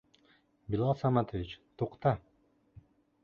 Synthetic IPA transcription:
bilˠasamat̪ʰoʋit͡ʃt̪ʰuqt̪a

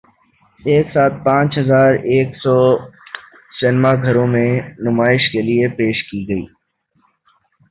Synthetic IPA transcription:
eːksaːt̪̚pãːt͡ʃɦɐzaːɾeːksɔː | sɪnmaɡʱɐɾõmẽnʊmaːɪʃkeliepeːʃkiɡəḭː

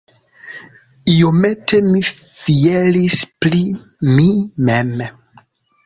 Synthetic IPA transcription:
iometemifielispli | mimem

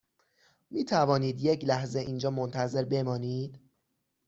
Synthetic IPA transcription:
miːt̪ʰævɒːniːd̪je̞clæhze̞ʔiːnd͡ʒɒːmont̪ʰæze̞ɾbe̞mɒːniːd̪̥

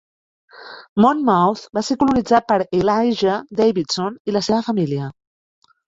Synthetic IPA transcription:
mɔnmɔwθbasekulunid͡zat̪̚pəɾelajʒəd̪ejβit̪soniləseβəfəmiliə

